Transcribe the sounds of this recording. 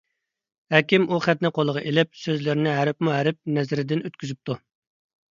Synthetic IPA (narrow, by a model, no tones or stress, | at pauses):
hɛkʲimʔuχæt̪nɪqʰolˠəʁɑʔelɪp̚søzlɪɾnɪɦæɾɪpmuɦæɾɪp̚nɛzɪɾɪd̪ɪnøt̪̚kʲʰyzyp̚t̪ʰu